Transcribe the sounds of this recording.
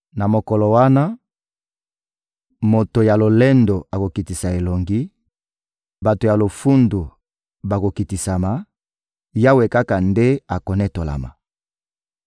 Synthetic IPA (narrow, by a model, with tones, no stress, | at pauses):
na˨mo˨kɔ˨lɔ˨wa˦na˦ | mo˨to˨ja˨lo˨le˦ndo˨a˨ko˨ki˨ti˨sa˨e˨lo˨ŋɡi˦ | ba˨to˨ja˨lo˨fu˦ndu˨ | ba˨ko˨ki˨ti˨sa˨ma˨ | ja˦we˨ka˦ka˨nde˦a˨ko˨nɛ˦to˨la̰˨ma̰˨